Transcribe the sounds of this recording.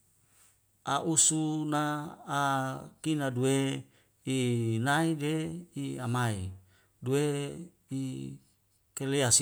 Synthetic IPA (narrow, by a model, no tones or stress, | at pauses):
aʔusunaː | kinadue | inaideiamai | due | i | keleas